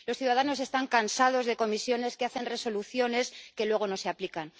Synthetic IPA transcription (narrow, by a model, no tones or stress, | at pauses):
lo̞sθjuðaðano̞s̬e̞st̪aŋkansað̞o̞zðe̞ko̞misjo̞ne̞skeaθe̞nre̞so̞luθjo̞ne̞ske̞lwe̞ɣ̞o̞no̞se̞aplikan